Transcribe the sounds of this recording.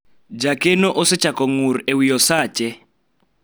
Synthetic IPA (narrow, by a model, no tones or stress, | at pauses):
d͡ʒakʼɛnɔʔɔsɛt͡ʃakɔŋuɾiewijɔsaːt͡ʃʼɛ